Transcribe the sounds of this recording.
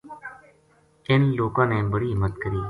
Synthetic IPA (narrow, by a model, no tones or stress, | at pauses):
ɪnloːkãːneːbəɽiːɪmət̪kəɾiː